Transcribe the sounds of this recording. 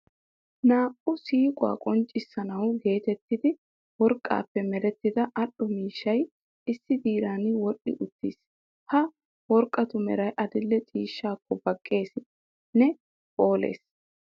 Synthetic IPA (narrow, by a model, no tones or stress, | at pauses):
naːʔʊsiːkʼʊwa̰ːkʼɔnt͡ʃʼːɪsːɐnɐwɡe̞ːt̪ɛt̪ːɪd̪ɪ | wɔɾkʼːa̰ːpːɛmɛɾɛt̪ːɪd̪ɐʔɐɗɔmiːʃːɐj | ɪsːɪd̪iːɾaːnwɔɗɪ̰ʔʊt̪ːiːs | hɐ | wɔɾkʼːɐt̪ʊmɛ̰ɾɐjʔɐd̪ɪlːɛt͡ʃʼiːʃːaːkːɔbɐkʼːe̞ːs | nɛ | pʼo̞ːlḛːs